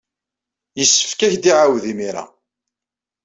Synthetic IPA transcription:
jəsːə̥fkæçd̪iʕawðimiɾa̰

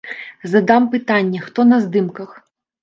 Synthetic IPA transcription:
zad̪ampɨt̪anʲːɛxt̪ɔnɐzd̪ɨmkɐx

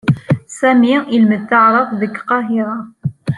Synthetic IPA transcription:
sæmiilməd̪θəʕɾˤɑðˤðəkːqɑɦɪɾˤɑ

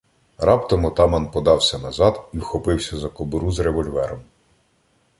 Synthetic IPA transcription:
rɑpt̪ɔmɔt̪ɑmɐnpɔd̪ɑwsʲɐnɐzɑd̪iwxɔpɪwsʲɐzɐkɔbʊɾuzɾeʋɔlʲʋɛɾɔm

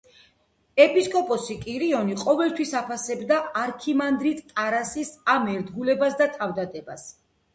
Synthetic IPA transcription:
ɛpʼiskʼɔpʼɔsikʼiɾiɔniqʼɔvɛlt̪ʰwisapʰasɛbd̪aːɾkʰimand̪ɾit̪ʼt̪ʼaɾasisamɛɾd̪ɡulɛbasd̪at̪ʰavd̪ad̪ɛbas

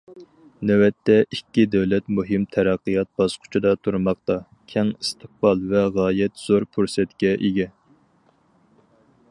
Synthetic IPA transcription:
nɛwɛt̪ːɛʔikʲːid̪æwlɛt̪muɦɨmt̪ʰɛɾæqːɨjɑt̪̚b̥ɑsqʰʊ̥t͡ʃʰud̪ɑt̪ʰuɾmɑq̚t̪ɑ | kʲʰɛŋist̪ʰɨq̚bɑlˠvɛʁɑːjɛt̪z̥oɾpʰuɾsɛt̪kʲɛʔeɡʲɛ

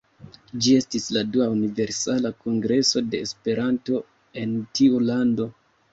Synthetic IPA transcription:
d͡ʒie̞stisladuaunive̞ɾsalako̞ŋɡɾe̞so̞de̞ːspe̞ɾanto̞ | e̞ntiulando̞

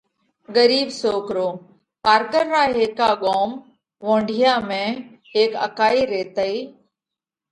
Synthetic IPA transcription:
ɡəɾiːbsoːkɾoː | paːɾkəɾːaːɦeːkaːɠoːm | ʋõːɳɖʱɪjaːmẽːɦeːkə̰kaːiːɾeːt̪əiː

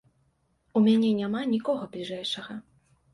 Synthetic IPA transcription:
umʲanʲɛnʲamanʲikɔɣɐblʲiʐɛjʂɐɣɐ

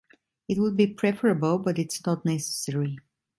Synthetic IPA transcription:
ɪt̚wʊd̚bipʰɹ̥ɛfə˞əbəlˠbʌɾɨtsnɔtⁿnɛsə̥sɛɹi

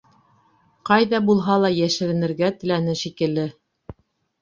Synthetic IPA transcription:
qɑjðɑbulˠɦɑlˠɑjæʃɘ̆ɾɘ̆nɘ̆ɾɡæt̪ɘ̆lænɘʃikɘ̆lːɘ

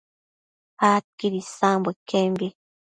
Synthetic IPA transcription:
at̪kiɾisambekːeːmbi

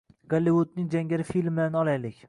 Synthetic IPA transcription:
ɡ̥alːivʊd̪̚nɪŋd͡ʒaŋɡʲaɾɪfilmɪanɒlˠajlɪkʲ

